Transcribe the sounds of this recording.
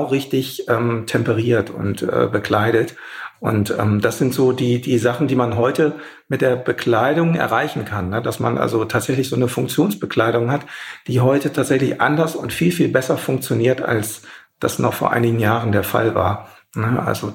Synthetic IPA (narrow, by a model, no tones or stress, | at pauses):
ʊʁɪçtɪçʔɛːmtʰɛmpəʁ̞iːɐtʰʊ̰ntʔɛ̰ːbəkʰl̥aɪɾət | ʔʊ̰ntʔɛ̰ːmd̥asz̥ɪntz̥oːdiːdiːzaχn̩diːmanɦɔʏtə | mɪt̚d̥eːɐbəkʰl̥aɪɾʊŋɛ̰ɐʁaɪçn̩kʰanːəda̰sma̰nʔa̰lzotʰaːtz̥ɛçlɪçz̥oːnəfʊŋk̚t͡sjoːnsb̥əkʰl̥aɪɾʊŋhatd̥iːɦɔʏtətʰaːtz̥ɛçlɪçʔa̰ndɐsʊntfiːlfiːlbɛsɐfʊŋk̚t͡sjoniːɐta̰ls | d̥a̰snɔ̰χfoːɐʔa̰ɪnɪɡŋ̩n̩jaːʁəndeːɐfa̰lva̰ːɐ | nəʔa̰lzo